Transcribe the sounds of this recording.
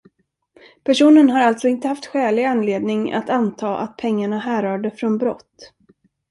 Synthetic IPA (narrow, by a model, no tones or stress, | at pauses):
pʰæʂuːnənɦaɾalt̪sɔɪnt̪əhaft̪ɧɛːlɪɡanːleːd̪nɪŋa̰t̪ant̪ʰɑːʔa̰t̪̚pʰɛŋːaɳaɦæːɾœːɖɛfɾɔnbɾɔ̰t̪ː